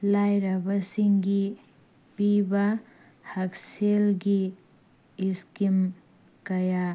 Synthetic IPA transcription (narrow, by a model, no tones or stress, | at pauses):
lajɾɐbɐsiŋɡi | piba | hɐkselɡiː | skim | kɐja